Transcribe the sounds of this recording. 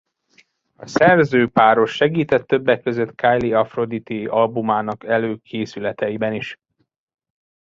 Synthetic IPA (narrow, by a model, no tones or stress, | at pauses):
ɒsɛrzøːpaːɾo̞ʃːɛɡiːt̪ɛt̪ːø̞bːɛkːø̞zø̞t̪kʰaːjliɒfro̞d̪it̪iɒlbumaːnɒkɛløːkʰeːsylɛt̪ɛjibɛniʃ